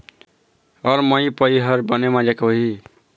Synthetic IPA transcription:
ɔːɾməipəiɦəɾbənemad͡ʒakɦi

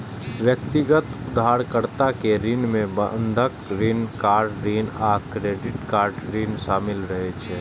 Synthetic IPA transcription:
ʋjəkt̪ɪɡət̪ʊd̪ʱːaːɾkəɾt̪akeɾinmẽbənd̪ʱəkɾiːnkaːɾɖɾiːnaːkɾeːɖɪʈkaːɾɖɾiːnʃaːmɪlɾɐɦet͡ʃʰɛː

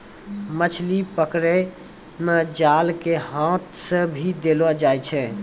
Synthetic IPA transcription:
mət͡ʃʰlipəkɾe | med͡ʒalkehãt̪sə̃bʱid̪elɔd͡ʒajt͡ʃʰɛ

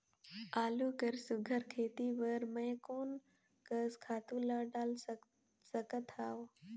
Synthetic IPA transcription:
aːluːkəɾsʊɡʱəɾkʰeːt̪iʋəɾmə̃jkoːn | kəskʰaːt̪ũlaːɖaːl | səkət̪ʰaːʋ

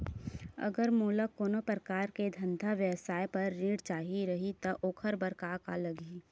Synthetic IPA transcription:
ɐ̰ɡəɾmoːləkːoːnopɾəkaːɾked̪ʱə̃nd̪ʱaʋjəwsaːjpɐɾːĩːɽt͡ʃaːɦiɾɐɦit̪ɐʔoːkʰəɾbɐɾkaːkalɐɡi

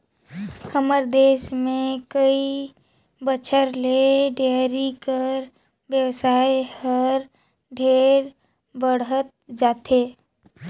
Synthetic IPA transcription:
həməɾd̪eːʃmẽkəi | bət͡ʃʰəɾleɖeɾikəɾ | ʋjəwsaːjhəɾ | ɖʱeːɾ | bəɽ̤ət̪̚d͡ʒaːt̪ʰeː

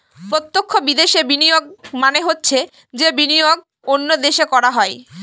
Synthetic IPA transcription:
pɾot̪ːokʰːobid̪eʃebinijoɡ̚maneɦotːɕʰe | d͡ʑebinijoɡ | onːod̪eʃekɔɾaɦɔe

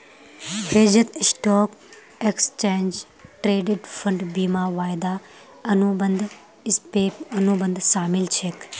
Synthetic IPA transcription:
heːd͡ʒɐt̪sʈoːk | ekst͡ʃeːnd͡ʒ | ʈɾeːɖiʈfɐɳɖbiːmaːʋaːjd̪aː | ɐnubɐnd̪ | ɪspeːpɐnubɐnd̪saːmɪlt͡ʃʰek

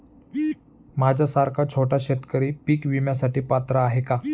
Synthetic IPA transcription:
mad͡ʑʱasaɾkʰat͡ɕʰoʈaɕet̪kəɾiːpiːkʋimjasaʈiːpat̪ɾaːɦeka

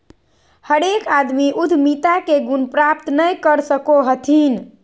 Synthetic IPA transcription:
həɾekad̪miʔud̪ʱmit̪akeɡunpɾap̚t̪nəjkəɾsəkoɦət̪ʰin

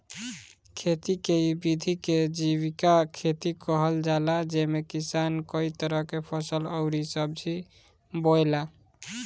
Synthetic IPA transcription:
kʰet̪ikeibid̪ʱiked͡ʒiβikakʰet̪ikəɦəld͡ʒalad͡ʒemekisankəit̪əɾəɦkepʰəsələʊɾisəb̚d͡ʒʰi | bojla

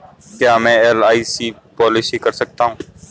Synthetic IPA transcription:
kjaːmɛ̃ːɛːlaːiːsiː | pɔːlɪsikɐɾsək̚t̪aːɦũː

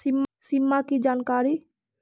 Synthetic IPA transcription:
imsimːakid͡ʒaːnkaːɾi

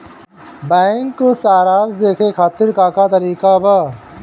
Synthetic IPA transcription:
bɛːŋkːosaːɾaːzd̪eːkʰeːkʰaːt̪ɪɾkaːkaːt̪ɐɾiːkaːbaː

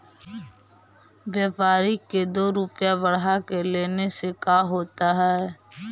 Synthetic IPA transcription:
ʋjeːpaːɾiked̪oːɾʊpjabɐɽɦakeleːnesekaːɦoːt̪aɦɛː

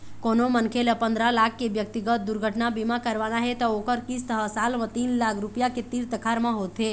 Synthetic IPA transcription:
konomənkʰeləpə̃nd̪ɾalakʰːebjək̚t̪iɡət̪̚d̪uɾɡʱəʈnabimakəɾʋanaɦet̪ɔokəɾkist̪əɦəsalmãt̪inlakʰɾupjaket̪iɾt̪əkʰaɾmãɦot̪ɦe

